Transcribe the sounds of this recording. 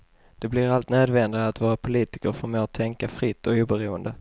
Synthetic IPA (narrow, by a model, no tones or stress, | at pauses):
d̪̥ɛblɪɾalt̪nøːd̪vɛnd̪ɪɡaːt̪vɑːɾapʰʊliːt̪ɪ̥kəɾfɔɾmoːt̪ʰːɛŋkafɾɪt̪ːɔuːbɛɾuːənd̪ə